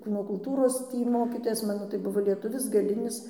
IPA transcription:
ˈkuːnoː kʊlˠˈtuːroːs ˈtʲiː ˈmoːkʲiːtoːjɛs ˈmɑːnoː tɐɪ ˈbʊʋoː lʲiɛˈtʊʋʲɪs ɡɐˈlʲɪnʲɪs

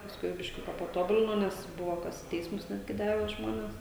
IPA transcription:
pɐsˈkʊɪ bʲɪʃʲˈkʲʊkɐ pɐˈtoːbʊlʲɪnoː ˈnʲɛs ˈbʊʋoː ˈkɐs ɪ ˈtʲɛɪsmʊs ˈnʲæːdʲɡʲɪ ˈdɑːʋʲɛ ˈʒmoːnʲeːs

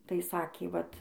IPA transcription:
tɐɪ ˈsɑːkʲeː ʋɐt

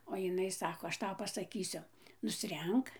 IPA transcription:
oː jɪˈnɐɪ ˈsɑːkoː ɐʃ ˈtɐʊ pɐsɐˈkʲiːsʲʊ nʊsʲˈrʲɛŋk

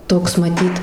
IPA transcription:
ˈtoːks mɐˈtʲiːt

